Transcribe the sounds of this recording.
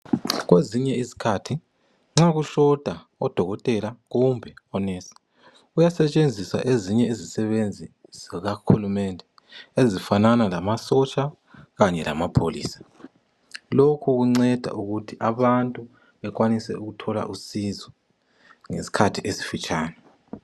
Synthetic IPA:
ɣweziɲɛizi̥kʰatʰi | ŋ͡ǁaɣuɬɔd̥ʱa | ɔd̥ʱɔɣɔtʼɛlaɣumbʱɛɔnɛsi̥ | ujasɛt͡ʃʼend͡zʱisa̰ʔeziɲɛizisɛβend͡zʱizɣahulumɛndʱɛ | ezifananalamasɔt͡ʃʼa | ɣaɲɛla̰mapʰolḭːsḁ | lokʰuɣuŋ͡ǀɛd̥ʱa̰ʔuɣutʰiʔaβantʼu | βɛk̬ʼwanisɛ̰uɣutʰɔla̰ʔusizɔ | ŋḛsi̥kʰatʰiʔesi̥fit͡ʃʼʰaːnɛ

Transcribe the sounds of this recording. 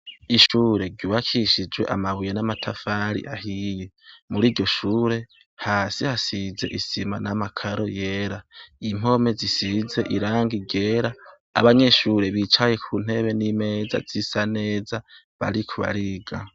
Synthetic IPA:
iʃuːɾe̞ɟuːβakʰiʃid͡ʒwe̞ʔamaβujenamatʰafaːɾḭʔahijemuɾiːɾɟo̞ʃuːɾe̞ | haːsihasize̞̰ʔisimanamakʰaɾo̞je̞ːɾaim̥o̞me̞zisize̞ʔiɾaːŋɡiɡɟeɾa̰ː | βaɲe̞ʃuːɾe̞βit͡ʃaje̞kʰuːn̥he̞βe̞nime̞ːza̰zisane̞ːza | βa̰ɾikʰuβa̰ɾiɡa

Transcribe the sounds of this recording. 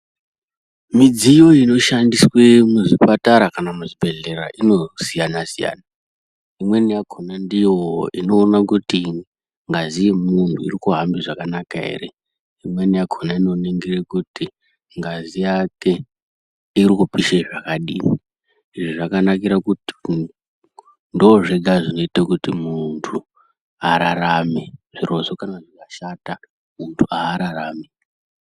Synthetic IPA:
mid͡zijo̞ino̞ʃandiswemuʐipataɾakanamuʐibʱe̞ɮe̞ra̰ʔino̞sijanasija̰ːna | imwe̞nijakʰonandijoino̞ːnakuti | ŋɡazijemuntʰuḭrikuɦambiʐakanakaɦḛrḛ | imwe̞nijakʰonaino̞neŋɡirekuti | ŋɡazijake̞ | irikupiʃeʐakaɗḭːni | iʐiʐakanakiɾakut | ndoːʐeɡʱaʐino̞itakutimuntʰu | aɾaɾameʐ̥iro̞so̞kanaʐikaʃata | muntʰuaːɾaraːmi

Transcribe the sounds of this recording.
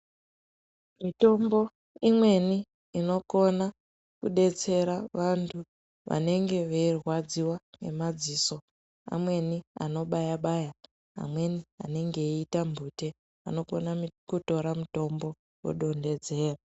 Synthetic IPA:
mito̞mbo̞ | imwe̞niː | no̞ko̞na | kuɗe̞t͡se̞ɾaʋantʰu | ʋa̰ne̞ŋɡe̞ʋeirwad͡ziwane̞̰mad͡ziːso̞ | a̰mwe̞nia̰no̞ɓajaɓaja | a̰mwe̞nia̰ne̞ŋɡe̞itambʱute | a̰no̞ko̞̰nakuto̞ɾamuto̞mbo̞ | wo̰ɗo̞nde̞d͡ze̞ːra

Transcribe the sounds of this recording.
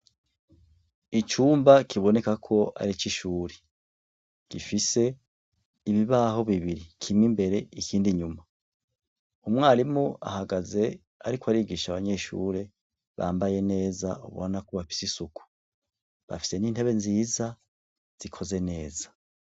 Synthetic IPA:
it͡ʃuːmbakʰiβo̞ne̞kakʰo̞ʔa̰ɾit͡ʃiʃuːɾe | ɡ̥ifise̞ | iβiβaːho̞βiβiɾikʰimŋimbe̞ɾe̞ikʰiːndiɲuma | umŋaːɾimua̰haɡaze̞ | aɾikwaɾiɡiʃaβaɲe̞ʃṵːɾe̞ | βa̰ːmbaje̞ne̞ːzaṵβo̰nakoβafi̥sisuku̥ | βa̰fi̥se̞niːn̥he̞βe̞nziːza | z̥ikʰo̞ze̞ne̞ːza

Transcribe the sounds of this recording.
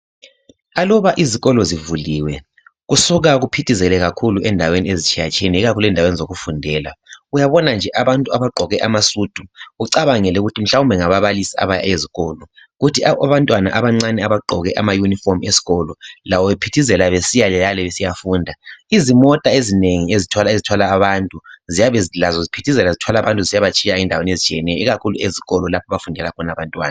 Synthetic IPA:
alɔβaʔiziɣɔlɔzivuliwɛ | ɣusuɣaɣupʰitʰizɛlɛɣakʰuluʔɛndʱaweniezit͡ʃʰijat͡ʃʰʼeniɣakʰuluɛndawenizoɣufundʱɛːla̰ujaβɔnand͡ʒʱɛʔaβantʼuaβaǃʱɔɣɛʔamasud̥ʱuuǀaβaŋɛlɛuɣutʰim̩ɬaumbʱɛŋaβaβalisia̰βaja̰jeziɣɔlɔ | ɣutʰiaaβantʼwana̰ʔaβaŋ͡ǀanɛaβaǃʱɔ̰ɣɛʔa̰majunifɔrmesi̥ɣɔlɔlawɔβepʰitʰizɛlaβesijalɛjalɛβesijafuːndʱaizimɔtʼaezineŋiezitʰwalaezitʰwalaːβantʼuzijaβɛzilazɔzipʰitʰizɛlazitʰwalaβantʼuzijaβat͡ʃʼʰiaindʱawenezit͡ʃʰʼiɛnɛjɔiɣakʰulueziɣɔlɔlapʰaβafundʱɛlakʰɔnaβantʼwa̰ːna

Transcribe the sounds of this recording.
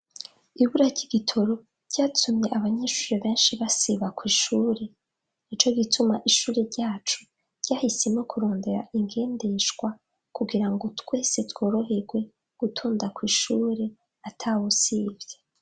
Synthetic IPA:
iβuɾaɾɟiɡitʰo̞ɾo̞ | ɾɟ̥aːtʰumɲe̞ʔaβaɲeʃuːɾeβe̞ːnʃiβasiβakwiːʃuːɾe̞ | it͡ʃo̞ɡitʰumaʔiʃuːɾeɾɟaːt͡ʃu | ɾɟ̥aːhisemŋo̞kʰuɾo̞ːnde̞ɾa̰ʔiŋɡe̞ːnde̞ʃɡwa | kuɡiɾaŋɡo̞twe̞ːse̞two̞ːɾo̞ɦe̞ɾɡwe̞ | ɡ̥utʰuːndakwiːʃuːɾe̞ | atʰawusiːvje

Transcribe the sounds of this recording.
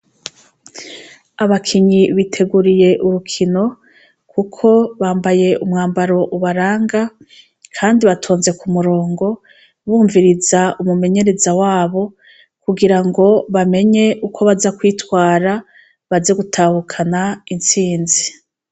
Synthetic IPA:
aβakʰiɲiβitʰe̞ɡuɾije̞ʔuɾukʰino̞ | kʰukʰo̞βaːmbaje̞ʔumŋaːmbaɾo̞ʔuβaɾaːŋɡa | kʰaːndiβatʰo̞ːnze̞kʰumuɾoːŋɡo̞ | βuːɱviɾizaumume̞ɲe̞ɾe̞zawaːβo̞ | kuɡiɾaŋɡo̞βame̞ɲe̞ʔukʰo̞βazakwiːtwaːɾa | βaze̞ɡutʰaːhukʰanaint͡siːnzi

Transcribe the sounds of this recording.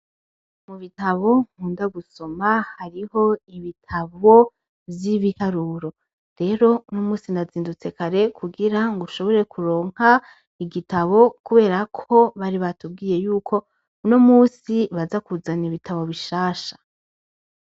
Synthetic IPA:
muβitaβo̞ŋ̥huːndaɡuso̞mahaɾiho̞iβitʰaβo̞ | vjiβihaɾuːɾo̞ | ɾe̞ːɾo̞unomuːsinaziːndut͡se̞kaɾe̞kʰuɡiɾaŋɡuʃo̞βo̞ɾe̞kʰuɾo̞ːŋ̥ha | iɡitaβo̞kuβe̞ːɾakʰo̞βaɾiβatub̚ɡiːje̞juːkʰo̞ | uno̞muːsiβazakuzaniβitʰaβo̞βiʃaːʃḁ

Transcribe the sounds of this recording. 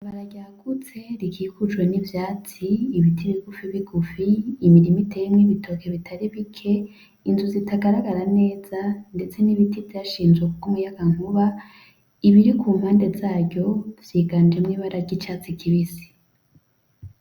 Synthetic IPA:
aβaɾaɡɟaːkut͡se̞ɾikʰiːkud͡ʒwe̞nivjaːt͡siːβitʰiɾiɡ̥ufiβiɡ̥ufiːmiɾimitʰe̞mŋiβitʰo̞keβitʰaɾiβikʰe̞ | inzuzitʰaɡaɾaɡaɾane̞ːz̥ande̞t͡se̞niβitivjaʃiːnzɡwekuɡumujaɡ̥aŋ̥huβa | iβiɾikʰuːmhaːnde̞zaːɾɟo̞v̥jiːɡaːnd͡ʒe̞mŋiːβaɾaɾɟit͡ʃaːt͡sikʰiβisi̥

